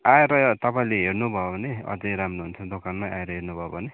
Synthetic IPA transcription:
aeɾʌt̪ʌpaĩleɦernubʱʌobʱʌneʌ̰d͡zʌjɾamruɦunt͡sʰʌd̪okanmaa̰eɾʌɦernubʱʌbʱʌne

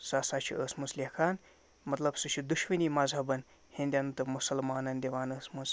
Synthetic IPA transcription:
sasat͡ʃʰḭʔəːsmuslʲekʰaːn | mɐt̪lɐbsɨt͡ʃʰid̪uʃʋiniːmɐzʱɐbɐn | hĩnd̪ʲjɐnt̪ɨmusɐlmaːnɐnʲd̪ʲeʋaːnəːsmuz

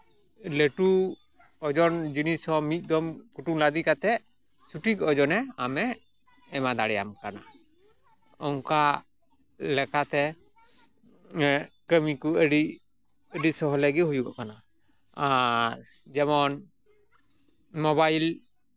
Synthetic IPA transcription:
ləʈu | ɔd͡ʒɔnd͡ʒinishɔmit̪̚ˀd̪ɔmkuʈuŋlad̪ikat̪ɛ | suʈikɔɔd͡ʒɔnɛamɛː | mad̪aɽɛja̰mkana | ɔŋka | lɛkat̪ɛ | kəmikuəɖi | əɖisɔɦɔləɡihujuɡa̰ʔkana | aɾ | d͡ʒɛmɔn | mɔβajl

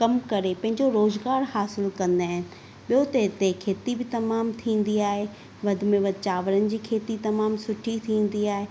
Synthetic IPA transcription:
kɐmkɐɾepɐ̃ɦɪ̃ɲd͡ʑoɾoːzɡaːɾhaːsɪlkɐ̃nd̪aːɦɪnɪ̆ | ɓijot̪ɐɦɪt̪ekʰeːt̪ibɪt̪ɐmaːmt̪ʰĩːn̆d̪iaːɦe | ʋɐd̪ʱʊmẽʋɐd̪ʱt͡ɕaːʋəɾənɪ̆d͡ʑiːkʰeːt̪it̪ɐmaːmsʊʈʰit̪ʰĩːn̆d̪iaːɦeː

